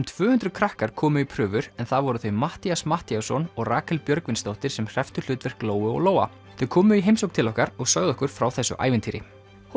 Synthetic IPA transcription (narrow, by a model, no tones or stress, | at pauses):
mt̪ʰvʏːhʏnt̪ɾʏkʰɾahkaɾ̥kʰɔːmʏipʰɾʏːvʏɾɛnθaðvɔɾʏθœɥmaht̪iasmaht̪iasɔnɔɣraːkʰɛlpjœɾkvɪnst̪owht̪ɪɾ̥sɛmr̥ɛft̪ʏ̥l̥ʏːt̪vɛr̥kloːwʏɔ̰ɣloːwa̰ | θœɥkʰɔːmʏiɦejmsowk̚t̪ʰɪlɔhkaɾɔɣsœɣðɔhkʏɾ̥fɾawθɛsːʏ̰ʔa̰ːjvɪnt̪ʰiːɾɪ̰